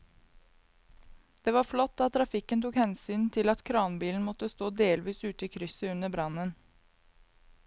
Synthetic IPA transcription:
d̪̥eːʋɑːɾflɔt̪ːɑt̪ʰːɾɑfɪkənt̪ʰuːkhɛnsyːnt̪ʰɪlɑt̪kʰɾɑːnbiːln̩mɔt̪əst̪oːd̪eːlʋiːsʉːt̪əiːkʰɾʏsəʉnəbɾɑnən

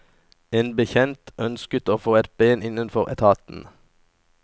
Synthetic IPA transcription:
eːnbəçɛnt̪ʔœnskət̪oːfoːɛt̪̚beːnɪnənfɔʁɛ̰t̪ʰɑːt̪n̩

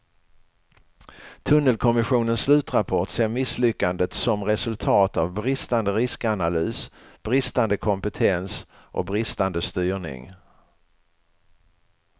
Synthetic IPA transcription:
t̪ʰɵnːəlkʰɔmɪɧuːnənslʉ̟ːt̪ɾapʰɔʈseːɾmɪslʏkːand̪ət̪sɔmɾɛsɵlt̪ʰɑːt̪avbɾɪst̪and̪əɾɪskanalyːsb̥ɾɪst̪and̪əkʰɔmpət̪ʰɛns | ʔɔ̰bɾɪst̪and̪əst̪yːɳɪ̰ŋ

